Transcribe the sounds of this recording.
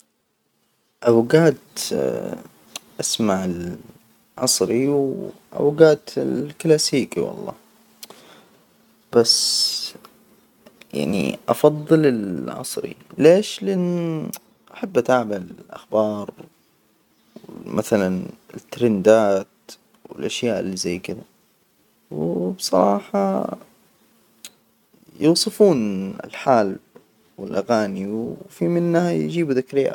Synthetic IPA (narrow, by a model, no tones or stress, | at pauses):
ʔawɡaːd̪ | ʔasmaʕɪl | ʕɑsˤɾiwʔa̰wɡaːd̪ɪlklaːsiːkiwɑ̰lˤːɑ̰ː | b̥as | ja̰ʕnḭʔɑfɑðˤːɨlɪlʕɑ̰sˤɾḭleːʃlɪʔɪnː | ʔaħabːʔat̪aʕmalɪlʔa̰xbɑːɾˤ | wɪmʔaθalanɪt̪ːɾɪnd̪aːt̪ | wɪ̰lʔaʃjaːʔɪlːizajːkɪd̪a | wbsˤɑ̰ɾˤɑːħɑ | jʊːsˤɨfuːnɪ̰lħaːl | wɪlʔaɣaːniwfimɪnːhajd͡ʒiːbuðakɾɪːʕa̰